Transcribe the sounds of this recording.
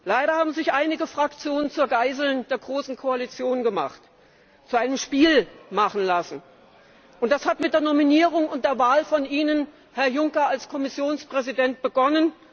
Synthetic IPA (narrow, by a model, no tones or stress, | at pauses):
laɪɾɐhaːbm̩zɪçʔaɪnɪɡəfʁ̥akt͡sjoːnənt͡suːɐɡaɪzl̩nd̥eːɐɡʁoːsn̩kʰoalit͡sjoːnɡəma̰χt | t͡suʔaɪnəmʃpiːlmaχn̩lasn̩ | ʔʊntd̥ashatmɪt̚d̥eːɐnɔminiːʁ̞ʊŋʊntd̥eːɐvaːlfɔniːnən | hɛɐjʊŋkɐalskʰɔmɪsjoːnspʁ̥ɛzidɛnt̚b̥əɡɔnən